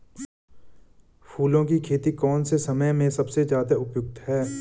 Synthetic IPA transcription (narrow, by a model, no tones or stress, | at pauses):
pʰuːlõkikʰeːt̪ikɔːnsesɐməjmẽsɐbsezjaːd̪aʊpjʊk̚t̪ɦɛː